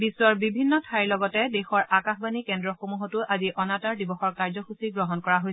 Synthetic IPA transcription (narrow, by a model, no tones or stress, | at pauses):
biswɔɹbibʱinːɔtʰaɹilɔɡɔtɛdɛxɔɹakaxbanikɛndɹɔxomuɦɔtʊʔaziʔɔnataɹdibɔxɔɹkaɹzɔxusiɡɹɔɦɔnkɔɹaɦojsɛ